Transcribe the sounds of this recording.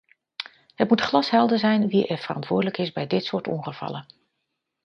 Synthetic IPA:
ɦət̚mutχlɑsɦɛlˠdəzɛjnʋiʔɛɹv̥ərɑ̰ntʋʊːɹdələkɪzbɛjdɪtsʊːɹtɔ̰ŋχəv̥ɑ̰lə

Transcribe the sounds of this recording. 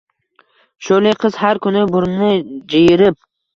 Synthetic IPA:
ʃoleqʰɨz̥haɾkʰʊnɪbʊɾnɪd͡ʒejɪɾɪp̚

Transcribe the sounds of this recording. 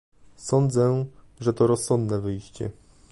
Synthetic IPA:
sɔnd̪zɛ | ʐɛt̪ɔɾɔsːɔnd̪nɛvɘjɕt͡ɕɛ̰

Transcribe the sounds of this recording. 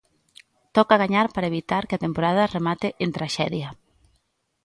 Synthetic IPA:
t̪ɔkaɣaɲaɾpaɾaeβit̪aɾkeat̪empoɾað̞ɐremat̪eʔent̪ɾaʃɛðjɐ

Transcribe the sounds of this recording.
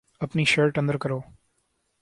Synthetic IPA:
ɐpniːʃəɾʈɐ̃nd̪əɾkɐɾoː

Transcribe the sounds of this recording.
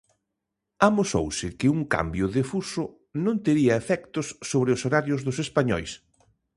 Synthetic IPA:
amoso̰wsɪkɪuŋka̰mbjʊðefusʊ | nõnt̪eɾiɐefɛkt̪ʊsːoβɾɪʊsoɾaɾjʊzðʊsespaɲɔjs

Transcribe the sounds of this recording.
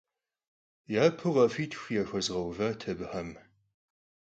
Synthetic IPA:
jaːpʰɨʁɐfiːtʰxʷjaːxʷɐzʁɐwvɐtʰɐbɨħɐm

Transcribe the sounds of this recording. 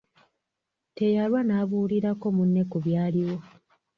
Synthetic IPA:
te̞jalwanaːβuːliɾako̞munːe̞kuβjaːliwo̞

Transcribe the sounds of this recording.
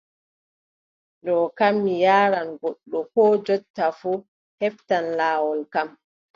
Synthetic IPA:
ɗɔːkamːijaːɾanɡɔɗːɔkɔːd͡ʒɔtːafu | hɛftanlaːwɔlkam

